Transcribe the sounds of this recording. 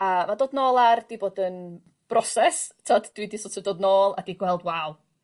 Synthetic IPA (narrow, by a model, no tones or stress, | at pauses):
amadoːdnoːlˠard̥iboːdən | b̥rɔsɛstʰadd̥wiːdisɔtʰɔdoːdnoːlˠa̰diːɡwɛlˠdwaw